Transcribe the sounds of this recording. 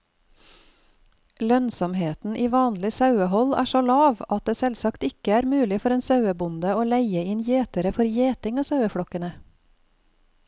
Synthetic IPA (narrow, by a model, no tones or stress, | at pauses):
lœnsɔmheːt̪n̩ʔiːʋɑːnlɪsɑʉəhɔlæ̰ːʃoːlɑːʋɑt̪̚d̪eːsɛlsɑkt̪ɪkəæːɾmʉːlɪfɔɾeːnsɑʉəbʊnd̪əoːlæɪəɪnjeːt̪əɾəfɔɾjeːt̪ɪŋɑːsɑʉəfɽɔkənə